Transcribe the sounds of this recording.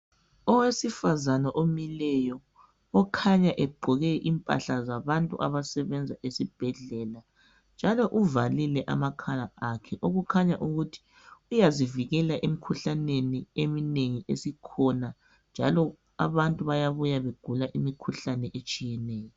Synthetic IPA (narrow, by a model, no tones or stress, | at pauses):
ɔwesifazanaʔomilɛjɔː | kʰaɲaʔɛɡ͡ǃʱɔɣɛʔimpʼa̰ɬazaβantʼṵʔa̰βasɛβɛnd͡zʱaʔesib̥ʱɛɮɛla | nd͡ʒʱalɔʔuvalilɛʔa̰makʰalaakʰɛʔoɣukʰaɲaʔuɣutʰi̥ | ujaziviɣɛlaʔemikʰuɬaneniemineŋiʔesikʰɔna | nd͡ʒʱa̰lɔ | a̰βantʼuβajaβujaβeɡ̥ʱulaʔimikʰuɬanɛʔet͡ʃʼijɛnɛːjɔ